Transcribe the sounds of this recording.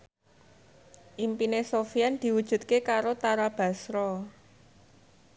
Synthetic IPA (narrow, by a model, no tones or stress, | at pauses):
ʔimpinesofiand̪̥i̤wud̥ʒ̥ṳt̪̚kekaɾot̪aɾab̥ä̤sɾɔ